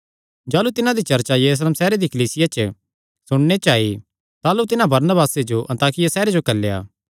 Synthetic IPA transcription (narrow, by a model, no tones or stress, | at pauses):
d͡ʒaːlut̪ɪnãd̪it͡ʃɐɾt͡ʃajɐɾuːs̬leːmsɛːɾed̪ikɐliːsɪjat͡ʃə | sʊɽ̃net͡ʃaːi | t̪aːlut̪ɪnãbɐɾnəbaːsed͡ʒoʔɐ̃nt̪aːkɪjasɛːɾed͡ʒokɐlːeja̰ː